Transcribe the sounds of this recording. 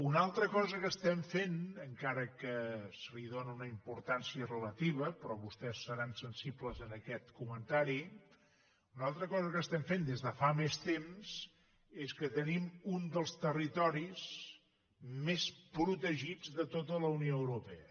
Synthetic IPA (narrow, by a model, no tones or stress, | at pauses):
unalˠt̪ɾəkɔzəkəst̪ɛmfenəŋkaɾəkəsəliðonəunəimpuɾt̪ansiərələt̪iβəpɾɔβust̪ɛsːəɾansənsipləzənəkɛt̪kumənt̪aɾi | unalˠt̪ɾəkɔzəkəst̪ɛmfend̪ezðəfamest̪emz | eskət̪ənimund̪əlˠst̪ərit̪ɔɾiz | mespɾut̪əʒid͡zðət̪ot̪ələunioəwɾupɛə